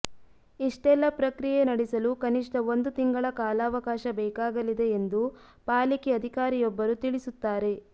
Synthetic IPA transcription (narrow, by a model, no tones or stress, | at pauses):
iʂʈɛlːɐpɾɐkɾijenɐɽisɐlukɐniʂʈɐo̞nd̪ut̪iŋɡɐɭɐkaːlaːʋɐkaːʃɐbɛːkaːɡɐlid̪e̞ːnd̪u | paːlikiɐd̪ʱikaːɾijɔbːɐɾut̪iɭisut̪ːaːɾe̞